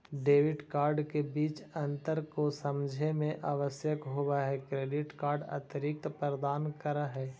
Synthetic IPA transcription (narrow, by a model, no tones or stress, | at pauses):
ɖeːʋɪɖkaːɾɖkebiːt͡ʃɐ̃nt̪əɾkosəmd͡ʒʱemẽʔaːʋəsjəkɦowaɦɛkɾeːɖɪʈkaːɾɖə̰t̪ɾɪk̚t̪pəɾəd̪aːnkəɾaɦɛː